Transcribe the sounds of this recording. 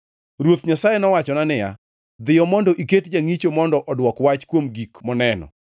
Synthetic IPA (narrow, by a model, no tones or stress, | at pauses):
ɾwot̪ɲasajenɔwat͡ʃɔnanɪja̰ | d̪ɪjɔmɔndɔʔiketd͡ʒaŋit͡ʃomɔndɔʔɔdwɔkwat͡ʃkwomɡikmɔnɛnɔ̰